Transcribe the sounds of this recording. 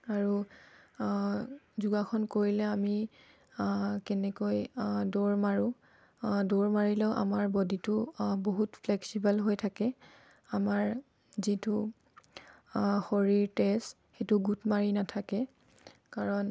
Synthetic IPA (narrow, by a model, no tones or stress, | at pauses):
aɹu | zuɡakʰɔnkoɹilɛami | kɛnɛkojdoɹmaɹʊ̃ | doɹmaɹilɛʊʔa̰maɹbɔditʊboɦutfʰlɛksibalɦojtʰakɛ | amaɹ | zitʊ | xoɹiɹtɛst | xetʊɡutmaɹinatʰakɛ | kaɹɔn